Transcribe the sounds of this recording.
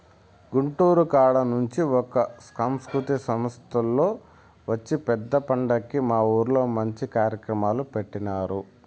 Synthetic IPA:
ɡuɳʈuːɾukaːɭɐnuɲt͡ʃiɔkɐskɐmskɾut̪isɐmɐst̪ʰɐlːo̞ː | ʋɐt͡ʃːipɛd̪ːɐpɐɳɖɐkːimaːuːɾlo̞ːmɐɲt͡ʃikaːɾjɐkɾɐmaːlupeʈːinaːɾu

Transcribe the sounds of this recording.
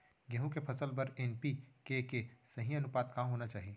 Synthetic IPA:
ɡɛɦũkepʰɐsəlpɐɾenpikekesɐɦĩɐnʊpaːd̪kaɦoːnat͡ʃaːɦieː

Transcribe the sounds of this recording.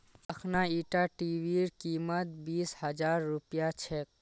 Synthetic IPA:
əkʰnaiːʈaʈiʋiɾkiːmət̪̚biːshəd͡ʒaːɾːupjat͡ʃʰek̚

